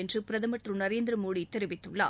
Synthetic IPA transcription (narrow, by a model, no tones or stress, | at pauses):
ɛndrɯpɪɾɐðɐmɐʈrɯnɐɾeːnd̪ɾɐmuːɽit̪ːɛɾɪʋɪt̪ːɯɭːa̰ː